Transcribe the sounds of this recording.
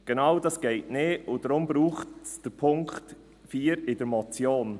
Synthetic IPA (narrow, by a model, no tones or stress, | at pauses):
ɡ̥enɑwdɑsɡ̥ɛɪtneːʊd̥ɾʊmbɾuːχtsd̥əɾpʰʊŋkt | fiːɾɪd̥əɾmɔt͡sjoːn